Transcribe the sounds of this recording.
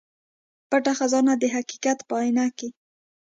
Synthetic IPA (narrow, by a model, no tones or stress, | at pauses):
paʈaxazɑnad̪əɦaqi̥qat̪pəɑjnake